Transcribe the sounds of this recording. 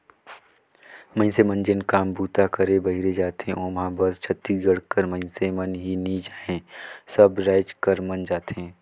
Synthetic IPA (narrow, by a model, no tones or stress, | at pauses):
mə̃ɪ̃nsemənd͡ʒenkaːmbuːt̪akəɾebɐɦiɾed͡ʒaːt̪ẽʔoːmɦãbəst͡ʃʰət̪ːiːsɡəɽkəɾmə̃ɪ̃nsemənɦinid͡ʒaːẽːsəbɾaːɪd͡ʒkəɾmənd͡ʒaːt̪ẽː